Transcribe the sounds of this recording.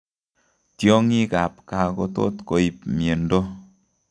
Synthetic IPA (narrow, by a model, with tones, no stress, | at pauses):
tjɔ˦ŋi˦ka˨pka˨ko˦to̰˦t̪ko˨i˨p̚mje˨ndo˦